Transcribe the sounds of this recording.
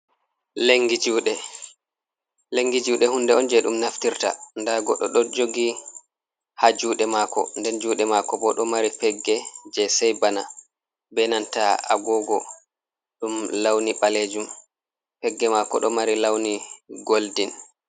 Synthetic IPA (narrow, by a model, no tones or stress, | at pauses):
leŋɡid͡ʒuɗɛ | leŋɡid͡ʒuɗɛhundɛɔnd͡ʒɛɗumnaftiɾta̰ndaɡɔ̰ɗɔɗɔd͡ʒoɡi | had͡ʒuːɗɛmakɔ̰ndɛnd͡ʒuːɗɛmakɔbɔɗɔmaɾipɛɡːɛd͡ʒɛsɛjbana | bɛnantaa̰ɡɔɡɔ | ɗumlawniɓaled͡ʒum | pɛɡːɛmakɔ̰ɗɔmaɾilawniɡoldin